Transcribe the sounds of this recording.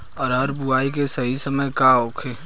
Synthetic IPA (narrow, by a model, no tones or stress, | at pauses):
ɐɾɐɾbuaːikesɐɦisɐməjkaoːkʰeː